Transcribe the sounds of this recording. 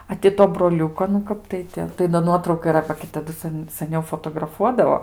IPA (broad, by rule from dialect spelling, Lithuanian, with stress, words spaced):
ɐ tʲɪ ˈtoː broːˈlʲʊkoː nʊ ˈkɐp tɐɪ tʲɪ tɐɪ doː ˈnuɔtrɐʊkɐ iːˈrɐ bɐ ɡʲɪ tɐˈdʊ ˈsɐn sɐˈnʲɛʊ foːtoːɡrɐˈfuɔdɐʋoː